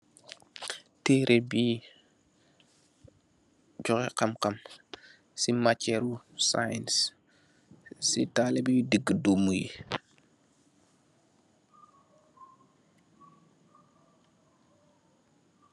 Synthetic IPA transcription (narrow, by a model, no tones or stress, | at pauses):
teːɾʔɛbiː | d͡ʒɔkɛqamqam | simat͡ʃːɛɾu | sa̰jns | sitalɛbidiɡːədumːujḭ